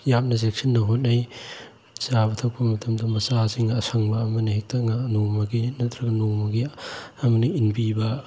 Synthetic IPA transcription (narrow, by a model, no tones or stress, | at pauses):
jamnɐzek̚sɐnːɐɦot̚naj | sabɐtʰɐwk̚pɐmɐtʰɐmdɐmɐsasiŋaːsʰaŋbɐːmɐnɐhek̚tɐŋanomɐɡinɐtʰɾɐɡɐnomɐɡiɐmɐniinbibɐ